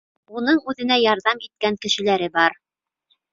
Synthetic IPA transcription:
unɤɴʉðɘ̆n̪æjɑɾðɑmit̪̚kæŋkɘ̆ʃɘ̆læɾɘbɑɾ

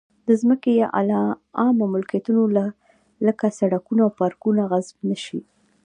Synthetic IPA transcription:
d̪əzməkejɑʔalɑɑmomʊlkijat̪unola | ləkasaɽakunaːwpɑɾkunaɣazb̚naʃi

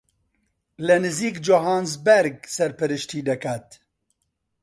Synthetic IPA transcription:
lɨnɨziːkd͡ʒoɦaːnzbɛɾɡ̚sɛɾpɨɾɨʃt̪ʰiːd̪ɛkʰat̪

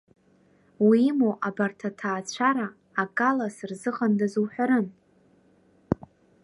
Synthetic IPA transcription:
wimoʔabartʰatʰaːt͡ɕʷʰaɾaː | kʼalasɨrzɨχandazuwħʷᶣaɾɨn

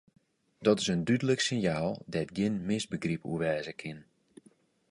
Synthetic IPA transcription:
dɔtɪsəndydələksɪnjaːlˠdɛtɡjɪnmɪsbəɡripṵəʋɛːzəkʰɪn

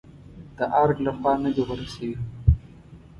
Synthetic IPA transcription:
d̪̥əʔaɾɡlaxwɑːnəd̪iwaɾasewi

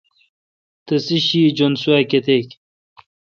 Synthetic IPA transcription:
t̪ɐsiɕiːd͡ʑonsuaket̪ek

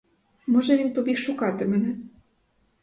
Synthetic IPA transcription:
mɔʒɛʋʲinpɔbʲixʃʊkɑt̪ɪmɛnɛ

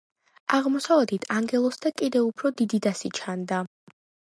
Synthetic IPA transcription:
aʁmɔsavɛd̪it̪ʰaŋɡɛlˠɔsd̪akʼid̪ɛupʰɾɔd̪id̪id̪asit͡ʃʰand̪a

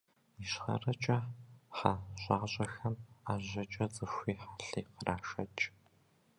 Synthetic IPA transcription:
iʃχɐ̰rɐt͡ʃʼɐħaʑʼaːʁɕʼɐxɐmaːʑɐt͡ʃʼɐt͡sʼɨxʷiːħaːɬɐːqəraːʂɐ̰t͡ʃʼ

